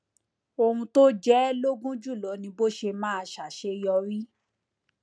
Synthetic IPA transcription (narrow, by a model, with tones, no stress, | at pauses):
o˧hũ˧to˦d͡ʒɛ˦lo˦ɡũ˦d͡ʒu˦˨lɔ˨˦nĩ˧bo˦ʃe˧mãː˦a˧ʃa˨ʃe˧jɔ˧ɾi˦